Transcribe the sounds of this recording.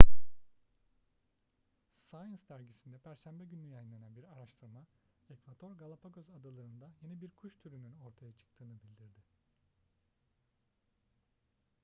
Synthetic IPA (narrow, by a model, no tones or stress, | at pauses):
sajansd̪æɾɟisind̪ɛpʰæɾʃænbɛɟynyjajnlʲenænbiɾaɾaʃt̪ʰɯɾma | ɛkvad̪ʰo̞ɾɡalˠapʰaɟøzad̪alˠaɾɯnd̪aje̞nibiɾkʰuʃt̪ʰyɾynyno̞ɾt̪ʰajat͡ʃʰɯ̥k̚t̪ʰɯːnɯbilʲd̪iɾd̪ɪ